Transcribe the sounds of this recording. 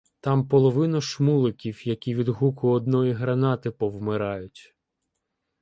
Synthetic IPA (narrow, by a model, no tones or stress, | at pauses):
t̪ɑmpɔlˠɔʋɪnɐʃmulˠɪkʲiwjɐkʲiʋʲid̪ɦukʊɔd̪nɔjiɦɾɐnɑt̪ɪpɔwmɪɾɑjʊtʲ